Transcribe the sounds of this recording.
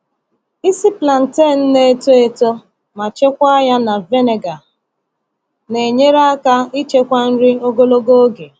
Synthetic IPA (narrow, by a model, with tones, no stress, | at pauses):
i˦si˦pla˨n̩˨te˦˨n̩˦ne˦e˦to˦e˦to˦ | ma˨t͡ʃe˦kʷa˦ja˦na˨ve˦ne˨ɡa˨ | ne˨ɲe˦ɾa˦a˦ka˦i˦t͡ʃe˦kʷa˦n̩˦ɾi˦o˦ɡo˦lo˦ɡo˦o˦ɡe˨